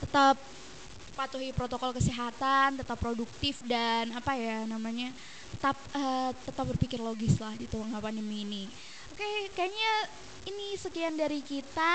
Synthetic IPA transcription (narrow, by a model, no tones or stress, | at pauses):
t̪ət̪ap̚ː | at̪uɦipɾot̪okɔlkəsiɦat̪ant̪ət̪apːɾoduk̚t̪ɪfdanapajanamaɲa | t̪ə̥t̪ap̚ət̪ət̪ap̚bərpikɪrloɡɪslahdit̪uwaŋapanimiːni | okekajaɲa | inisəkiandaɾikit̪a